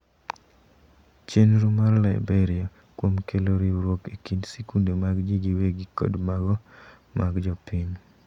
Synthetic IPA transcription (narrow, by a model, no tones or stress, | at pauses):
t͡ʃenɾumarlaɪbɛɾɪa | kwomkeloɾiɾwokekindsekundemaɡd͡ʒiɡiweɡikɔ̰dmaɡɔ | maɡd͡ʒɔpiɲ